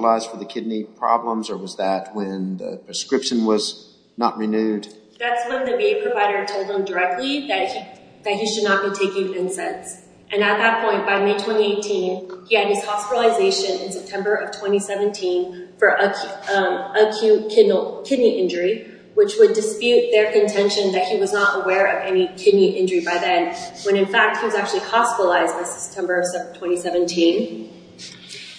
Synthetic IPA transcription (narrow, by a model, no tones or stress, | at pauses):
laɪzd̥fə˞ðɨkʰɪdⁿnipʰɹ̥ɑ̰blə̃mzə˞wʌzðɨt̚wɨ̃nðɨ̰pʰɹ̥ɨskɹɪpʃɨ̃nwʌz | nə̰ʔ̚ɹinʉd | ðætswʌ̃nðɨmeɪpʰɹ̥ɨvaɪɾə˞tʰoʊlˠd̪̚ə̃mdə˞ɛk̚tʰˡliðɨt̚hi | ðɨt̚ɦiʃɨdⁿnət̚b̥itʰeɪkɪ̃ŋɪ̃nsɛ̃ns | ʔɨ̃nɨt̪̚ðɨt̚pʰɔ̃ɪ̃nb̥aɪmeɪtʰw̥ɛ̃ɾ̃ieɪtʰĩniɨɾ̚ɨz̥hɑspɪɾl̩ˠəzeɪʃɨ̃nɨ̰̃nsɛp̚tʰɛ̃mbə˞ʔʌv̥tʰw̥ɛ̃ɾ̃isɛvɨ̃ntʰĩnfə˞ʔ | əkʰʉkʰɪdⁿnl̩ˠkʰɪdⁿniʔɪ̃nd͡ʒə˞i | wɨt͡ʃwədɨspjʉt̪̚ðə˞kɨ̃ntʰɛ̃nʃɨ̃nðɨt̚hiwʌznəɾəwɛɹʌvɛnikʰɪdⁿniʔɪ̃nd͡ʒə˞ibaɪðɨ̃nwɨ̃ñɨ̃nfæk̚t̚hiwʌzæk̚t͡ʃʉl̩ˠihɑspɪɾl̩aɪzdɨsə̥p̚tʰɛ̃mbə˞ʌv̥stʰw̥ɛ̃ɾ̃isɛvɨ̃ntʰĩn